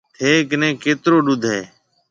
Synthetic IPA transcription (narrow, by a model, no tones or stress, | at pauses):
eːknẽːkeːt̪ɾoːɗud̪ʱeː